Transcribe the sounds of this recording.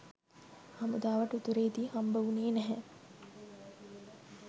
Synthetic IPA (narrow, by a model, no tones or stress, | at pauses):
hɐmud̪aːʋɐʈut̪uɾeːd̪iːhɐmbɐʋuneːnɛɦɛ